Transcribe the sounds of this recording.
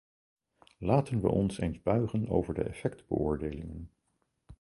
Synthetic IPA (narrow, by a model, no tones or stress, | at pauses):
laːtənʋə̰ʔɔnsejnzbœɥχəno̰wvəɹdəɛfɛkdbə̰ʔʊːɹdejlɪŋən